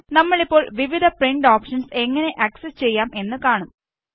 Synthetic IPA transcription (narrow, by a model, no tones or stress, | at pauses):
nɐmːɐɭipːo̞ːɭʋiʋid̪ʱɐpriɳɖoːpʂɐnse̞ŋːɐne̞ʔɐksest͡ɕe̞jːaːmʔe̞nːɨkaːɳum